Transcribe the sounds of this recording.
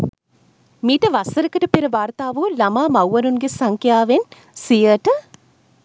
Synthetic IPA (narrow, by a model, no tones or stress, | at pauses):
miːʈəʋasəɾəkəʈəpeɾəʋaːɾt̪aːʋulamaːmawʋɐɾunɡesaŋkjaːʋen | sijəʈə